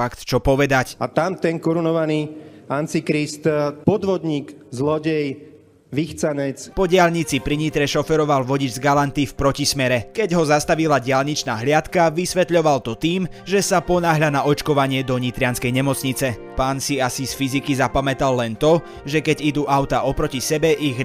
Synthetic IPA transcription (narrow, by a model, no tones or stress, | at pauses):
akt̪t͡ʃɔpɔʋɛd̪acat̪amt̪ɛnkɔɾunɔʋaniːant͡sikɾist̪pɔd̪ʋɔd̪ɲiːɡzlɔɟɛj | ʋixt͡sanɛt͡spɔɟɪaʎɲit͡sipɾiɲit̪ɾɛʃɔfɛɾɔʋalʋɔɟid͡ʒzɡalant̪ifpɾɔcismɛɾɛkɛɟɦɔzast̪aʋilaɟɪalɲit͡ʃnaːɦlɪat̪kaʋisʋɛt̪ʎɔʋalt̪ɔt̪iːm | ʒɛsapɔnaːɦʎanaʔɔt͡ʃkɔʋaɲɪɛd̪ɔɲit̪ɾɪanskɛjɲɛmɔt͡sɲit͡sɛ | paːnsiasisfizikizapamɛt̪alːɛnt̪ɔ | ʒɛkɛɟid̪uːʔaʊt̪aːʔɔpɾɔcisɛbɛʔiɣ